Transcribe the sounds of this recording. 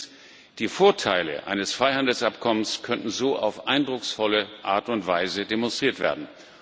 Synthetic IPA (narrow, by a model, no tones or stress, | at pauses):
d̥iːfoːɐtʰaɪlə̰ʔa̰ɪnəsfʁ̥aɪhandl̩sʔapkʰɔmənskʰœntn̩zoːʔa̰ʊfʔaɪndʁʊksfɔləʔa̰ːɐtʊntv̥aɪzədemɔnstʁ̥iːɐtv̥ḛːɐdn̩